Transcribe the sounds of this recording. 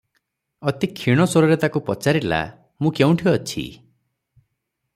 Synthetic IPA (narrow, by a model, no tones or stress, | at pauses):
ɔt̪ikʰiɽ̃ɔsɔɾɔɾet̪akupɔt͡ʃaɾila̰ | mũkew̃ʈʰiɔt͡ʃʰḭ